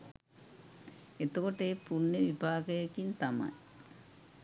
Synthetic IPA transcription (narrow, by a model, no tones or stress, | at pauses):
et̪ːukoʈːepuɳːɐʋibʱaːɡɐjɐkːint̪ɐma̰j